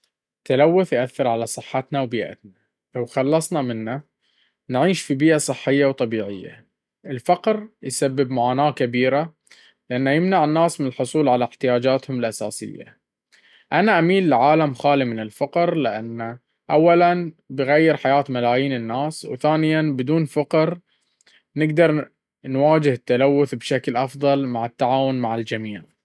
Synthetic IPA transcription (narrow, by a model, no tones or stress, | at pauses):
t̪alawːʊθjʔaθːɪɾʕalasˤɨħːɑt̪nawbiːʔa̰t̪na | lawxɑlːɑsˤnamɪnːa | nʕiːʃfibiːʔasˤɨħːɪjːawt̪ˤɑbiːʕɪjːa̰ | ʔɪlfɑqɾjsabːɪbmaʕaːnaːkabiːɾa | lɪʔanːajɪmnaʕɪnːaːsmɪnɪlħʊsˤuːlʕalaɪħt̪ɪjaːd͡ʒaːt̪hʊmɪlʔasa̰ːsɪ̰ja̰ | ʔanaʔamiːllɪʕaːlamxaːlimɪnɪlfɑqɾlɪʔanːa | ʔawːalanbɪɣajːɪɾħajaːt̪malaːjiːnɪnːaːswθaːnɪjanbɪd̪uːnfaqɾ | nɪɡd̪ɑɾˤ | nwaːd͡ʒɪhɪt̪ːalawːʊθbʃaklʔɑfðˤɑlmaʕɪt̪ːaʕaːwʊnmaʕɪld͡ʒamiːʕ